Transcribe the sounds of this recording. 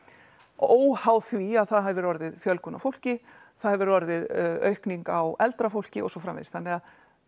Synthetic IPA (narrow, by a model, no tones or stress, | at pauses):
oːwhaːwθviaðθaðɦɛvʏɾɔɾðɪðfjœlkʏnːafowl̥cɪ | θaðhɛvʏɾɔɾðɪðœ̰ɥhkniŋkawɛlt̪ɾafowl̥cɪɔ̰sɔfɾamvḛðst̪anːɪað